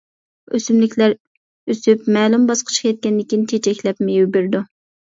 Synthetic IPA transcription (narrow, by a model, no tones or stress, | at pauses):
øsymlɪkʲlæɾ | øsypmɛːlumbɑsqʰə̥t͡ʃʰqkʰʲɛt̪̚kʲɛnd̪ɪkʲint̪ʰet͡ʃʰɛkʲlɛpmɪjybyɾd̪u